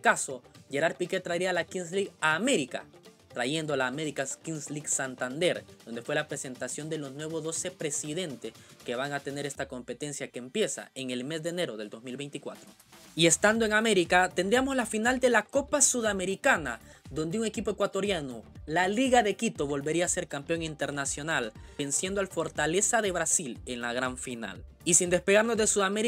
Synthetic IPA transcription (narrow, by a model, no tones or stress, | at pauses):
kaso̞ʝe̞ɾaɾpike̞t̪ɾaiɾialakinsliɡaːme̞ɾika̰ | t̪ɾaʝe̞nd̪olaːme̞ɾikakinsliɡsant̪and̪e̞ɾd̪̥o̞nd̪e̞fwe̞lapɾe̞se̞nt̪asjo̞nd̪e̞lo̞znwe̞βo̞zðo̞se̞pɾe̞siðe̞nt̪e̞ske̞βaŋat̪e̞ne̞ɾe̞st̪ako̞mpe̞t̪e̞nsjakeːmpje̞sa̰eŋe̞lme̞zd̪ene̞ɾo̞ð̞e̞ld̪o̞zmilβe̞jnt̪ikwa̰t̪ɾo | ie̞st̪and̪o̞e̞ŋame̞ɾikat̪e̞nd̪ɾiamo̞zlafinald̪e̞lako̞pasuðame̞ɾikana | ðo̞nd̪euŋe̞kipo̞e̞kwat̪o̞ɾjanolaliɣaðe̞kit̪o̞βo̞lβe̞ɾiaːse̞ɾkampejo̞ŋint̪e̞ɾnasjo̞nale̞nsjend̪oalfo̞ɾt̪ale̞saðe̞βɾasile̞nlaɣɾaɱfina̰l | isind̪e̞speɣaɾno̞zðesuðameɾi